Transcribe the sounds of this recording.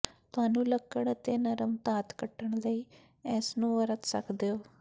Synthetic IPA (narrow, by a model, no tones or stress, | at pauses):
t̪ʊɦaːnũːləkːəɽət̪eːnəɾəmt̪aːt̪kəʈːəɳ̃ləiː | ɛːsnũːʋəɾət̪sə̰kʰd̪eːoː